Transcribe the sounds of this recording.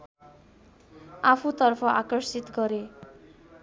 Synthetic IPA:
apʰut̪ʌrpʰʌʔakʌrsit̪ɡʌɾe

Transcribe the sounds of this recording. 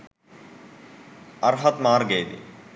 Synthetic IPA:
ɐɾɦɐt̪maːɾɡeːd̪ḭ

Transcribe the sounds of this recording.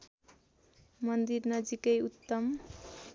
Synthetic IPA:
mʌnd̪irnʌd͡zikʌjut̪ːʌm

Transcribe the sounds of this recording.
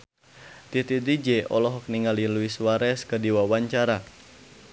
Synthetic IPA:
t̪it̪it̪id͡ʒɛʔɔ̰lɔɦɔk̚niŋalinluiswaɾɛskədiwawaɲt͡ʃaɾa

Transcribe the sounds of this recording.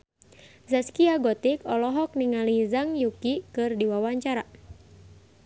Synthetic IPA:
zaskiaɡɔt̪ikɔlɔɦɔk̚niŋalizaŋjukikɨrdiwawaɲt͡ʃaɾa

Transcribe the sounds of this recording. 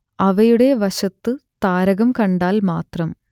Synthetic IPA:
ɐʋɐjuɽe̞ʋɐɕɐt̪ːɨt̪aːɾɐɣɐmkɐɳɖaːlmaːt̪rɐm

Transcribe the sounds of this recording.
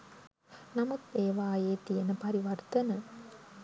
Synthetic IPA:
nɐmukeːʋaːjeːt̪ijɐnəpɐɾiʋɐrt̪ɐnə

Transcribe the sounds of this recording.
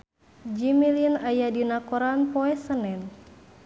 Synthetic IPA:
d͡ʒimilinajadinakoɾanpɔɛsənɛn

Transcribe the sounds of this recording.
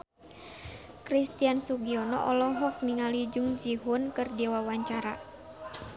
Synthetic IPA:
kɾist̪iansuɡiɔnɔ̰ʔɔlɔɦɔk̚niŋalid͡ʒuŋd͡ʒiɦunkɨrdiwawaɲt͡ʃaɾa̰

